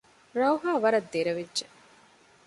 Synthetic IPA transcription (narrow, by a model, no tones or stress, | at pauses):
ɾɐwɦaːʋɐɾɐd̪ːeɾɐʋedʒe